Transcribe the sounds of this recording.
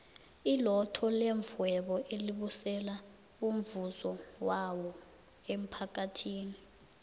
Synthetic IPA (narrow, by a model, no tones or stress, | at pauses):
ilɔtʰɔleɱvuwɛɓɔʔeliɓusɛla | um̩vuzɔwawɔ | em̩pʰak̬ʼatʰiːni